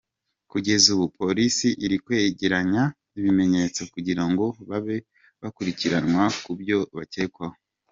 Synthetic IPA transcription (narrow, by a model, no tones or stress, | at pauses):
kuɟe̞zuβupʰo̞ɾisiʔiɾikwe̞ːɟeɾaɲaniβime̞ɲe̞t͡so̞kuɟiɾaŋɡo̞βaβe̞ | βakuɾiciɾanwakubjo̞βateːkwaho